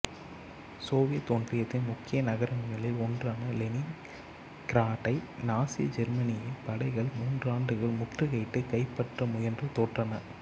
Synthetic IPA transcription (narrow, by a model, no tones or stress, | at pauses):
soːʋɪjɐt̪ɔndrɪjɐt̪ːɪnmʊkːɪjɐnɐɣɐɾɐŋɡɐɭɪlɔndraːnɐlɛnɪŋ | kɾaːʈːɐɪnaːsɪjɐ̰d͡ʒɛɾmɐnɪjɐpɐɽɐɪɣɐɭmuːndraːɳɖɯɣɐɭmʊʈrɯɣɐɪʈːɯkɐɪpːɐʈrɐmʊjɐndrɯt̪oːʈrɐnɐ̰